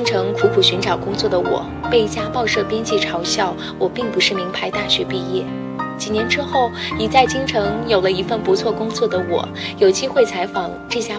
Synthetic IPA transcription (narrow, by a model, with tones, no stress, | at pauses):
ŋʈ͡ʂʰɤ˧˥ŋkʰu˧˥kʰu˨˩ɕy˧˥nʈ͡ʂɑ˨˩ʊkʊ˥ŋt͡swɔ˥˩d̪ə˩wɔ̰˨˩˦ | pe˥˩ɪt͡ɕja˥pɑ˥˧ʊʂɤ˥˩pjɛ˥nt͡ɕi˥˩ʈ͡ʂʰɑ˧˥ʊɕjɑ˥˩ʊ | wɔ˨˩pi˥˩ŋpu˧˥ʂɻ̩˥˩mi˧˥ŋpʰa˧˥ɪt̪a˥˩ɕɥɛ˧˥pi˥˧jɛ˥˩ | t͡ɕi˨˩njɛ˧˥nʈ͡ʂɻ̩˥xo˥˩ʊi˨˩t͡sa˥˩ɪt͡ɕi˥ŋʈ͡ʂʰɤ˧˥ŋjo˨˩ʊlə˦i˧˥fə˥˩npu˧˥t͡sʰwɔ˥˩kʊ˥ŋt͡swɔ˥˩d̪ə˩wɔ̰˨˩˦ | jo˨˩ʊt͡ɕi˥xwe˥˩ɪt͡sʰa˧˥ɪfɑ˨˩˦ŋʈ͡ʂɤ˥˩ɕja˥